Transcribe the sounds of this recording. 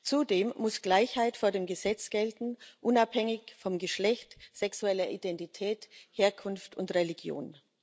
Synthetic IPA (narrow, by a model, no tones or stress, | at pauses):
t͡sudeːmːʊsɡ̥laɪçhaɪtfoːɐdeːmɡəzɛt͡sɡ̥ɛltn̩ʔʊnaphɛŋɪçfɔmɡəʃlɛçtz̥ɛksuɛlɐʔidɛntitʰɛːtheːɐkʰʊnftʊntʁɛliɡjo̰ːn